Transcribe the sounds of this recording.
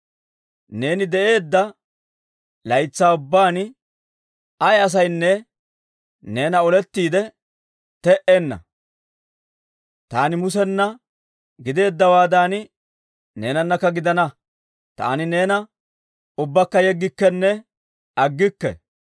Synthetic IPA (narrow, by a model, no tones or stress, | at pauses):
ne̞ːnɪd̪ɛʔe̞ːd̪ːɐ | lɐjt͡sːaːʊbːaːn | ɐjɐs̬ɐjnːɛ | ne̞ːnɐɔlɛt̪ːiːd̪ɛ | t̪ɛʔenːɐ̰ | t̪aːnɪmʊsɛnːɐ | ɡɪd̪e̞ːd̪ːɐwaːd̪aːn | ne̞ːnɐnːɐkːɐɡɪd̪ɐnɐ | t̪a̰ːnɪne̞ːnɐ | ʊbːɐkːɐjɛɡːɪkːɛnːɛ | ɐɡːɪkːɛ̰